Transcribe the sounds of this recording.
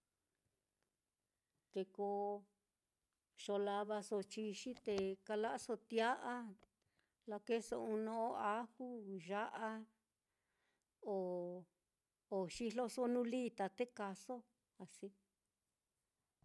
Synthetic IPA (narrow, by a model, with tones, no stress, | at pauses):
t̪e˧ko˧ | ʃo˧la˧βa˧so˧t͡ʃi˧ʃi˦t̪e˧ka˧la˦ʔa˦so˧t̪ja˦ʔa˦ | la˧ke˦so̰˧ũ˧nõ˧o˦a˦ku˦ʒa˦ʔa˦ | o˨ | ʃi˧lo˦so˦nũ˦liː˦t̪a˧t̪e˦ka˧so˦ | a˨si˦